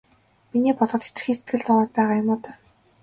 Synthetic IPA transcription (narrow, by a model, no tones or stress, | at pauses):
mineːpɔt̪ɞ̆t̪e̥t̪ɘ̆xiːŋse̥t̪̚ɡɘ̆ɮt͡sɔwɔːt̪̚pæːʁaːjʊmʊːt̪œː